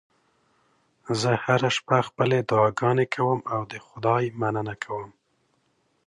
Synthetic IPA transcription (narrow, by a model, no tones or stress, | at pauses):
zəhaɾaʃpaxpəled̪ʊɑɡɑnekʰawəmawd̪əxʊd̪ɑjmanənakʰawəm